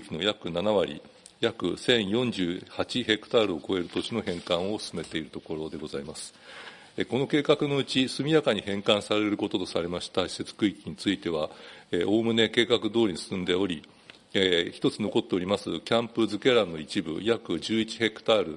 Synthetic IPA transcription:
kʲino̞jakɯ̟nanaβaɾʲḭ | jakɯ̟sẽ̞ɰ̃jõ̞ɲd͡ʑɨːhat͡ɕiɦe̞kɯ̟̥t̪aːɾɯ̟o̞ko̞e̞ɾɯ̟t̪o̞t͡ɕino̞hẽŋkãɰ̃o̞sɨ̥sɨme̞t̪e̞iɾɯ̟t̪o̞ko̞ɾo̞d̪e̞ɡo̞zaimasɨ̥ | eko̞no̞ke̞ːkakɯ̟no̞ɯ̟t͡ɕisɨmʲijakaɲ̟ihẽ̞ŋkãɰ̃saɾe̞ɾɯ̟ko̞t̪o̞t̪o̞saɾe̞maɕi̥t̪aɕi̥se̞t͡sɨ̥kɯ̟ikʲiɲ̟it͡sɨit̪e̞β̞aeʔo̞ːmɯ̟ne̞ke̞ːkakɯ̟d̪o̞ːɾiɲisɨ̥sɨ̃nd̪e̞o̞ɾʲi | çi̥t̪o̞t͡sɨno̞ko̞t̪ːe̞o̞ɾʲimasɨkʲãmpɯ̟zɨke̞ɾãnːo̞it͡ɕibɯ̟̰jakɯ̟ʑɨːit͡ɕi̥he̞kːɯ̥t̪aɾɯ̟

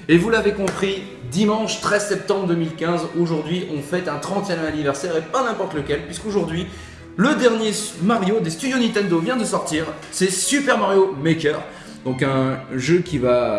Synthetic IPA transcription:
evulavekɔ̃pχi | d̪imɑ̃ʃt̪χɛzsɛp̚t̪ɑ̃bʁəd̪əmilkʲɛ̃zoʒuʁd̪ɥiʔɔ̃fɛt̪ɛ̃t̪χɑ̃t̪jɛmanivɛʁsɛʁepanɛ̃pɔʁt̪ləkʲɛlpɥiskoʒuʁd̪ɥi | ləd̪ɛʁnjemaʁjod̪est̪yd̪jonĩt̪ɛ̃nd̪ovjɛ̃d̪əsɔʁt̪iʁ | sɛsypɛʁmaʁjomekœʁ | d̪ɔ̃kɛ̃ʒøkʲiva

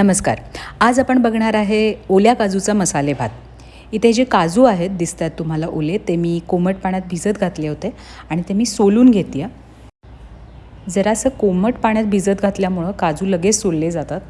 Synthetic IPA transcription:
nəməska̰ɾad͡zapəɳbəɡɳaɾaɦeoljakad͡zut͡saməsalebʱa̰t̪̚ | it̪ʰed͡ʑekad͡zuːaɦet̪̚d̪ist̪jat̪ːum̤alaʔolet̪emiːkoməʈ̚paɳ̃jat̪̚bʱid͡zət̪̚ɡʱat̪leɦot̪e | aɽ̃it̪emiːsoluːnɡʱet̪ija | d͡zəɾasəkoməʈpaɳ̃jat̪̚bʱid͡zət̪̚ɡʱat̪ljamuɭəkad͡zuːləɡessolːed͡zat̪at̪̚

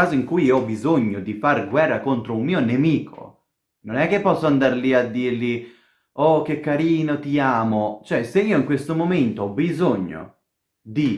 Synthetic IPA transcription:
aːzoiŋkujiɔbːizoɲːod̪ifarɡwɛrːakont̪ɾoumːiːonemiːkʰo̰ | nonɛk̟ːepːɔsːoand̪aɾliad̪ːiɾli | ɔk̟ːekːaɾiːnot̪iaːmot͡ʃoɛseiːoiŋkwest̪omoment̪oɔbizoɲːo̰ | d̪i

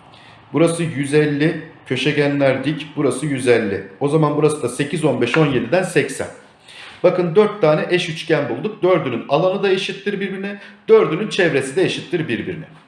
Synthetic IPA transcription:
buɾasɯjyzɛlʲːɪcʰø̞ʃeɟænlʲæɾd̪icbuɾasɯjyzɛlʲːɪo̞zamanbuɾasɯd̪ase̞cʰizo̞nbɛʃo̞nje̞d̪id̪ænsɛcsæ̰n | bakɯnd̪øɾt̪ʰːaːnɛʔɛʃyt͡ʃcænbulˠd̪uk̚d̪øɾd̪ynynalˠanɯd̪aeʃit̪ːiɾbiɾbiɾinɪd̪̥øɾd̪ynynt͡ʃʰɛvɾe̞sid̪ɛeʃit̪ʰːiɾbiɾbḭɾinɪ

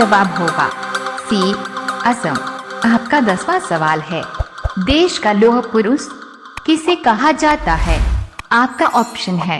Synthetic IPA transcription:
d͡ʒɐʋaːbɦoːɡa̰ːsiːɐsə̃maːp̚kad̪ɐsʋasɐʋaːlɦɛːd̪eːʃkaloːɦpʊɾʊs | kɪsekɐɦad͡ʒaːt̪aɦɛːaːp̚kaʔɔːpʃənɦɛː

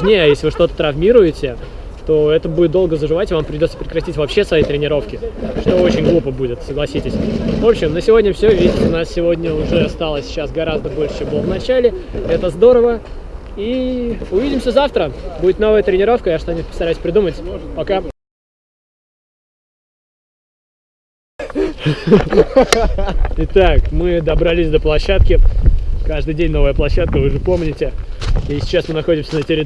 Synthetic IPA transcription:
ʐnʲejəajeslʲɪvɨʂt̪o̞t̪ə̥t̪ɾɐvmʲiɾʊjɪtʲɪ | t̪o̞ɛt̪əbudʲɪt̪d̪olˠɡəzəʐɨvatʲɪvampɾʲɪdʲot̪sə̥pɾʲɪkɾɐtʲitʲvɐpɕːe̞svɐjijt̪ɾʲɪnʲɪɾo̞fkʲɪʂt̪o̞ot͡ɕɪnʲɡlˠupəbudʲɪt̪səɡlˠɐsʲitʲɪsʲvo̞pɕɪmnəsʲɪvo̞dʲnʲəfsʲovʲidʲɪtʲʊnassʲɪvo̞dʲnʲəʊʐɛast̪alˠəsʲt͡ɕːasɡɐɾazd̪əbo̞lʲʂɨ̥t͡ɕembɨlˠəvnɐt͡ɕalʲɪɛt̪əzd̪o̞ɾəvə | iʊvʲidʲɪmsʲəzaft̪ɾəbudʲɪt̪no̞vəjət̪ɾʲɪnʲɪɾo̞fkəjaʂt̪anʲipə̥st̪ɐɾajʉsʲpɾʲɪd̪umətʲpɐka | ɪt̪akmɨd̪əbɾɐlʲisʲd̪əplˠɐɕːat̪̚kʲɪkaʐd̪ɨjdʲenʲnovəjəplˠɐɕːat̪̚kəvɨʐɨpo̞mnʲɪtʲɪisʲɪ̥t͡ɕasmɨnɐxo̞dʲɪmsʲənətʲɪɾʲɪ

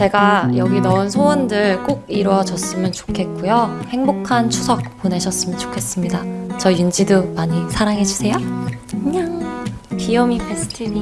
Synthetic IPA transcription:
t͡ɕe̞ɡajʌɡinʌɯnsʰowʌndɯɭk͈oɡ̚iɾwʌd͡ʑʌs͈ɯmjʌnt͡ɕo̥kʰe̞t̚k͈ujohe̞ŋbokʰant͡ɕʰusʰʌk̚p͈one̞ɕʰʌs͈ɯmjʌnt͡ɕo̥kʰe̞s͈ɯmɲidat͡ɕʌjund͡ʑidomaɲisʰaɾaŋɦe̞d͡ʑusʰe̞jokɯɲaŋpijʌmipestʰɯni

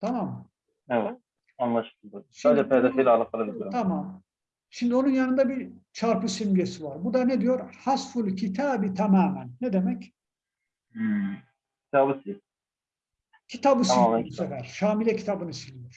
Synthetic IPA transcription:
t̪ʰamaːm | evɛt̪̚ | anlˠaʃɯ̥ld̪ɯʃid̪ɛpʰed̪efelʲɛalˠak̪̚ˠalˠablʲijoɾt̪ʰamaːmn | ʃimd̪io̞nunjanɯnd̪abit͡ʃʰaɾpɯsimijesivaɾbud̪aned̪ijo̞ɾhasfulʲcʰit̪ʰaːbit̪ʰamaːmænːɛd̪emɛc | cʰi̥t̪ʰaːbɯsi | cʰit̪ʰabɯsimæsɛfæɾ̥ʃaːmilʲɛcʰi̥t̪ʰabɯnɯsilʲijoɾ̥

